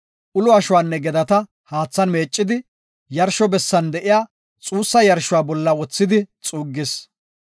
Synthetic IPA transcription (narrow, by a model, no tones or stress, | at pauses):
ʔʊlʊɐʃʊwaːnːɛɡɛd̪ɐt̪ɐ | haːt͡sːɐnme̞ːt͡ʃʼːɪd̪ɪ | jɐɾʃɔbɛsːɐnd̪ɛʔɪjaː | t͡sʼuːsːɐjɐɾʃʊwaːbɔlːɐwɔt͡sːɪd̪ɪt͡sʼuːɡːɪs